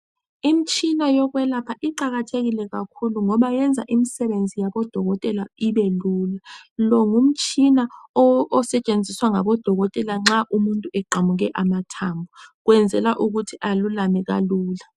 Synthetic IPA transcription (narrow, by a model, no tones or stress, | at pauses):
im̩t͡ʃʼʰinajɔk̬wɛlapʰaʔiǃak̬atʰek̬ilɛk̬akʰuluŋɔɓajɛnd͡zʱa̰ʔimisɛɓend͡zʱijaɓɔd̥ʱɔk̬ɔtʼɛlaiɓeluːlalɔŋum̩t͡ʃʰinaɔːsɛt͡ʃʼend͡zʱiswaŋaɓɔd̥ʱɔk̬ɔtʼɛlaŋ͡ǁaʔumuntʼuɛǃʱamuk̬ɛʔamatʰaːmbʱuk̬wɛnd͡zʱɛlaʔuk̬utʰiʔalulamɛk̬a̰luːla